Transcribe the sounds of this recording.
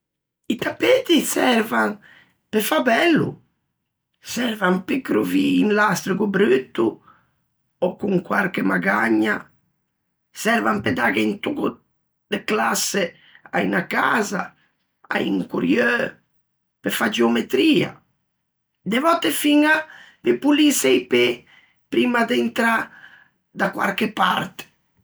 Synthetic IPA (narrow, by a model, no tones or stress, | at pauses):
it̪apːet̪isɛɾvaŋ | pɛfabɛlːṵ | sɛɾvampikːɾuviːnlast̪ɾiɡubɾyt̪ːu | ɔkːuŋkwaɾkɛmaɡaɲːa | sɛɾvampɛd̪aɡɛint̪uku | d̪eklasːe | a̰jnakaza | a̰jiŋkuɾjø | pefad͡ʒeomet̪ɾiːa̰ | d̪evɔt̪ːefiŋa | pepulisɛjpe | pɾimad̪ent̪ɾa | d̪akwa̰ɾkepa̰ɾt̪e̥